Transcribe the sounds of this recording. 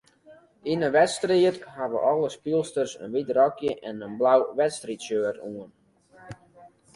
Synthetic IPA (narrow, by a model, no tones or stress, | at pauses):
inəʋɛtstriətɦaʋəʔɔlˠəspilˠstərsə̰nʋitrɔkjəʔɛnənblawʋɛtstritsøətuən